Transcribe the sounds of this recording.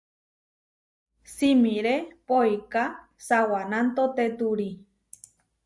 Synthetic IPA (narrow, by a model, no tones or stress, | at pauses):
simiɾepoika | sawanãnt̪ot̪et̪uɾi